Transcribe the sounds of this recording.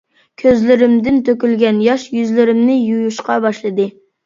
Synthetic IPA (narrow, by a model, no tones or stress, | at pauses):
kʲʰøzlɪɾɪmd̪ɪnt̪ʰøkʲylɡʲɛnjɑʃjyzlɪɾɪmnɪjujuʃqɑbɑʃlˠɨd̪ɨ